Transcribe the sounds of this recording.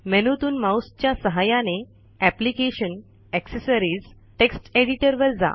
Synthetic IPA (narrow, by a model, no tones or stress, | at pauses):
menut̪uːnmawst͡ɕjasəɦajane | æplikeɕən | ɛksəsəɾiːd͡z | ʈeksʈeɽiʈəɾʋəɾd͡za̰